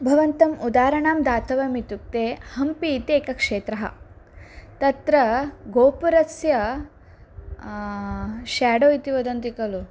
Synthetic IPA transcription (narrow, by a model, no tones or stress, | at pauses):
bʱɐʋɐnt̪ɐmud̪aːɾɐɳaːmd̪aːt̪ʰɐʋɐmit̪uk̚t̪eːhɐmpiːt̪eːkɐkʂeːt̪ɾɐɦɐ̰ | t̪ɐt̪ɾɐɡoːpuɾɐsjɐ | ʃaːɖoːit̪iʋɐd̪ɐnt̪ikɐlu